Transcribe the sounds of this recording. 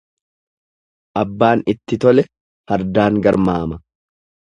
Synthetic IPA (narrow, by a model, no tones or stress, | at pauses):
ʔɐbːaːnɪt̪ːɪt̪ɔlɛ | hɐɾd̪aːŋɡɐɾmaːmɐ